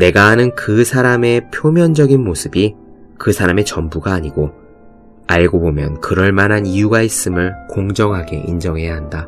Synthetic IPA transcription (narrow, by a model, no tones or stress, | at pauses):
ne̞ɡaɦanɯnkɯsʰaɾame̞pʰjomjʌnd͡ʑʌɡinmosʰɯbi | kɯsʰaɾame̞t͡ɕʌmbuɡaːɲiɡo | aɭɡobomjʌnkɯɾʌɭmanɦanijuɡais͈ɯmɯɭkoŋd͡ʑʌŋɦaɡe̞̰ʔind͡ʑʌŋɦe̞jaɦanda